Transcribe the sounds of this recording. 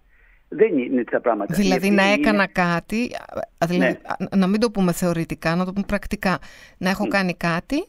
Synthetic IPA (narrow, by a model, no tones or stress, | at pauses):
ðeɲinit̪sɐpɾɐɣmɐt̪ðilɐðinɐe̞kɐnɐkɐt̪iðilɐðḭnɐmid̪o̞pume̞θe̞o̞ɾit̪ikɐnɐt̪o̞pumepɾɐkt̪ikɐnɐe̞xo̞kɐnikɐt̪i